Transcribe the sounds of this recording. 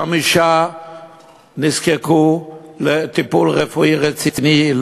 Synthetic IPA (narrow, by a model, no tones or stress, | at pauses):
amiʃa | niskekulet̪ipulʁefuiʁet͡sit̪nil